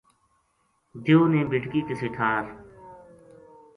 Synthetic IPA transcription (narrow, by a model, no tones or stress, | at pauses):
d̪joːnẽːbɪʈkiːkesɪʈʰaːɾ